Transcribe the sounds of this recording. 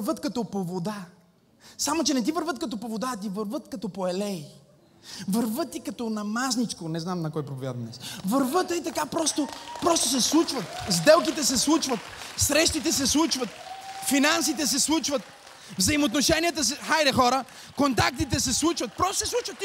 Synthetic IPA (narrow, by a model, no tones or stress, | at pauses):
vət̪kɐt̪opovod̪a | samot͡ʃɛnɛt̪̬ivəɾvət̪̚kɐt̪ɔpovod̪aːt̪̬ivəɾvət̪kɐt̪ɔpoɛlɛ | vəɾvət̪ːikɐt̪ɔnɐmaznit͡ʃkonɛznamnɐkɔjpɾopovʲjad̪ɐd̪ɛ̰svəɾvət̪əit̪ɐkapɾɔst̪opɾɔst̪os̬ɛslˠut͡ʃvət̪zd̪ɛlˠk̬it̪ɛs̬ɛslˠut͡ʃvət̪sɾɛʃt̪it̪ɛsɛslˠut͡ʃvət̪̚finans̬it̪ɛs̬ɛslˠut͡ʃvət̪̚ | vzɐimoːt̪noʃɛniɐt̪əs̬ɛxajɾɛxɔɾə | kont̪ak̚t̪it̪ɛsɛslˠut͡ʃvət̪̚pɾɔst̪o̥sɛslˠut͡ʃvət̪ːi